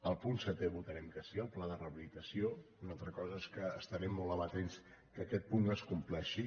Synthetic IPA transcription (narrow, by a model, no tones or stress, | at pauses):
əlˠpunsət̪eβut̪əɾɛmkəsiəlˠplaðərəβilit̪əsiounalˠt̪ɾəkɔzəeskəːst̪əɾɛmːolˠəβət̪ens | kəkɛt̪̚punəskumplɛʃi